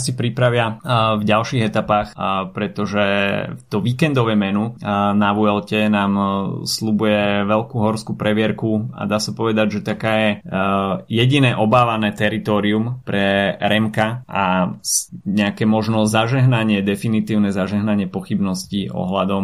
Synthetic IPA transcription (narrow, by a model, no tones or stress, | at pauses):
sipɾipɾaʋɪavɟalʃiːɣɛt̪apaːxpɾɛt̪ɔʒɛt̪ɔʋiːkɛnd̪ɔʋɛjmɛnunaʋuɛlcɛnaːmslubujɛʋɛʎkuɦɔɾskupɾɛʋɪɛɾkua̰d̪aːsapɔʋɛd̪aɟʒɛt̪akaːjɛ | jɛɟinɛːʔɔbaːʋanɛːt̪ɛɾit̪ɔːɾiumpɾɛɾɛmkaʔasɲɛakɛːmɔʒnɔzaʒɛɦnaɲɪɛd̪ɛfinit̪iːʊnɛzaʒɛɦnaɲɪɛpɔxibnɔsciʔɔ̰ɦla̰d̪ɔm